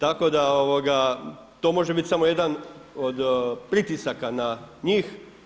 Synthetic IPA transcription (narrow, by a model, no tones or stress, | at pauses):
t̪ako̞d̪aoʋoɡa | t̪o̞ːmo̞ʒebit̪ʲsamoje̞d̪anod̪pɾit̪isakanaɲiːx